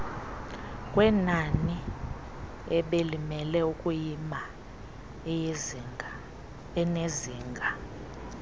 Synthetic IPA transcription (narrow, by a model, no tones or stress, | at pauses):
kʼwɛnani | ɛɓelimɛlɛukʼujima | ɛneziːŋɡʱa